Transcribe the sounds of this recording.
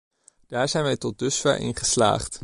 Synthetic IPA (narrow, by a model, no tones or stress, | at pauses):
d̥aːɹzɛjnʋɛjtɔt̚dɵsfa̰ːʔɪ̰nχəsla̰ːχt